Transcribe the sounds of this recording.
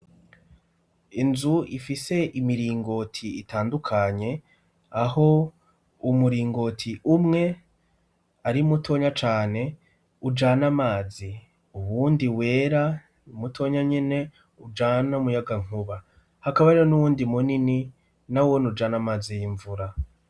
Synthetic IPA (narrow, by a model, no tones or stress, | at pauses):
inzuifise̞ʔimiɾiːŋɡo̞tʰiitʰaːndukʰaɲe̞ | aɦo̞ | umuɾiːŋɡo̞tʰiʔumŋe̞ | aɾimutʰo̞ɲat͡ʃaːne̞ | ud͡ʒanamaːzi | uβuːndiwe̞ːɾa | umutʰo̞ɲaɲene̞ | ud͡ʒaːnamujaɡaŋ̥uβa | hakaβaɾiɾonuβuːndimunini | nawonud͡ʒanamaːzijiɱvuɾa